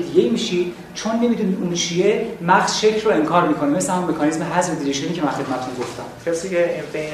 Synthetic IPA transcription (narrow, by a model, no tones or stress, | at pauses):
d̪iɡeiːmiːʃid̪̥ | t͡ʃʰonːe̞mid̪unid̪unt͡ʃʰiemæɣz̥ʃecʰroeŋkʰɒːɾmiːkʰo̞nime̞sæhæmmːekʰɒnizmeɦæzmed̪iɾiʃeniːcʰeænxe̞d̪̚mæt̪ʰːunɡoft̪æmcʲʰæsiːeme